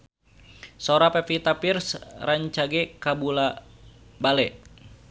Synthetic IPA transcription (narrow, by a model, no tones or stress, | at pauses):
soɾapɛpit̪apirsraɲt͡ʃaɡɛkabula | balɛ